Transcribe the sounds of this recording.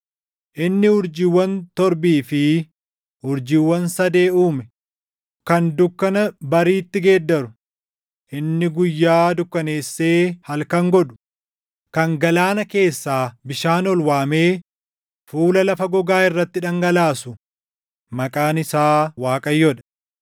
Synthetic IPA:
ʔɪnːɪʊɾd͡ʒɪwːɐnt̪ɔɾbiːfɪ | hʊɾd͡ʒɪwːɐnsɐd̪e̞ːuːmɛ | kɐnd̪ʊkːɐnɐbɐɾiːt̪ːɪɡeːd̪ːɐɾʊ | ʔɪnːɪɡʊjːaːd̪ʊkːɐne̞ːsːe̞ːhɐlkɐŋɡɔᶑʊ̥ | kɐŋɡɐlaːnɐke̞ːsːaːbɪʃaːnɔlwaːme̞ː | fuːlɐlɐfɐɡɔɡaːɪrːɐt̪ːɪᶑɐŋɡɐlaːsʊ | mɐkʼaːnɪsaːwaːkʼɐjːɔᶑɐ̥

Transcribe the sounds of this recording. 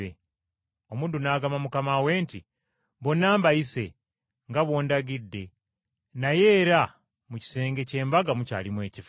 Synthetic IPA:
e | o̞muːndunaːɡamamukamawe̞ːnti | βo̞nːaːmbajise̞ | ŋɡaβwo̞ːndaɡidːe̞ | naje̞ːɾa | muci̥se̞ːŋɡe̞ce̞ːmbaɡamuca̰ːlimwe̞ːcif

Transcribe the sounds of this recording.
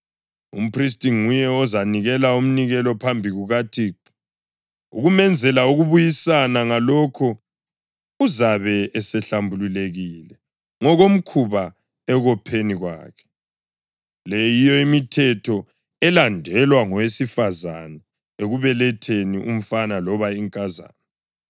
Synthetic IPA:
ṵm̩pʰris̬tʼiŋujɛɔzaniɣɛlaum̩niɣɛlɔpʰambʱiɣuɣatʰiǁ | uɣumɛnd͡zʱɛlauɣuβujisanaŋalɔkʰɔ | uzaβɛɛsɛɬambʱululeɣiːlɛ | ŋɔɣom̩kʰuβa | ɛɣɔpʰeniɣwa̰ːkʰɛ̥ | lɛjijɔimitʰɛtʰɔ | ɛlandʱɛlwaŋɔwesifaza̰na | eɣuβɛlɛtʰeniʔum̩fanalɔβaiŋkʼaza̰ːnɛ

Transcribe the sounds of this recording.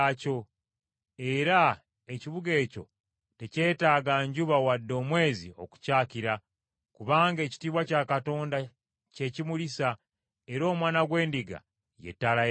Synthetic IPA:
co̞ | e̞ɾa | eciβuɡe̞ːco̞̰ | te̞ce̞ːtaːɡaɲɟuβawadːo̞ːmwe̞ːzio̞̰ku̥caːkiɾa | kuβaːŋɡe̞ːci̥tiːβwacakato̞ːnda | ce̞cimulisa | eɾo̞ːmwaːnaɡwe̞ːndiɡa̰ | je̞̰tːala

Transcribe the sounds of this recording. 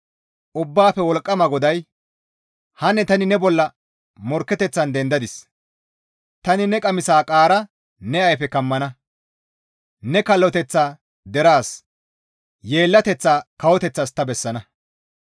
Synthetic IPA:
ʔʊbːaːfɛwɔlkʼːɐmɐɡɔd̪ɐj | hɐnːɛt̪ɐnɪnɛbɔlːɐ | mɔɾkːɛt̪ɛt͡sːɐnd̪ɛnd̪ɐd̪ɪs | t̪ɐnɪnɛkʼɐmɪsaːkʼaːɾɐ | nɛɐjpɛkɐmːɐnɐ | nɛkɐlːɔt̪ɛt͡sːaː | d̪ɛɾaːs | je̞ːlːɐt̪ɛt͡sːaːkɐwɔt̪ɛt͡sːɐst̪ːɐbɛsːɐnɐ

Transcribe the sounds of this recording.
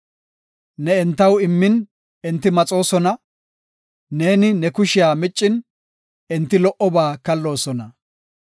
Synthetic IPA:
nɛɛnt̪ːɐwɪmːɪn | ɛnt̪ːɪmɐt͡sʼo̞ːsɔnɐ | ne̞ːnɪnɛkʊʃɪjaːmɪt͡ʃʼːɪn | ɪnt̪ːɪlɔʔɔbaːkɐlːo̞ːsɔnɐ

